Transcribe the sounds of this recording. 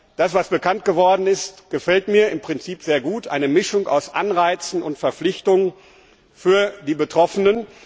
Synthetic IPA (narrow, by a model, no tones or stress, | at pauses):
d̥asv̥asb̥əkʰant̚ɡ̥əvɔɐdn̩ɪstɡ̥əfɛltmiːɐɪmpʁ̥ɪnt͡siːpz̥eːɐɡuːtʔa̰ɪnəmɪʃʊŋa̰ʊsʔa̰nʁaɪt͡sn̩ʊntfɛɐflɪçtʊŋən | fyːɐdiːbətʁ̥ɔfənən